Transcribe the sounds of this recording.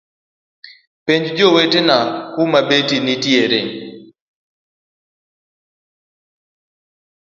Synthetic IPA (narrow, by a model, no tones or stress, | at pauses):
peɲd͡ʒd͡ʒowetenakumabetinitjeɾen